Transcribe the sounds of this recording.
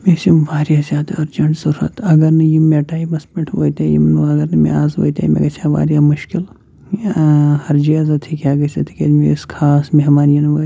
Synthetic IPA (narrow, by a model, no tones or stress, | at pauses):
mesimʋaːɾʲjazʲjaːd̪aɐɾd͡ʒɐɳʈzɐɾɾɐ̰t̪ɐɡɐɾnɨjimeʈaːjibɐspɐʈʰʋo̰ːjt̪aːjḭmnɨɐɡɐɾnɨmḛaːzo̰ːjt̪ʲa̰jmḛɡɐt͡ʃʰaʋa̰ːɾjamuʃkil | hɐɾd͡ʒiɐzɐt̪ʰikʲaːɡɐsʲɐt̪ʰi̥kʲɐɾmeskʰaːsmeɦmaːnijɐnʋɐ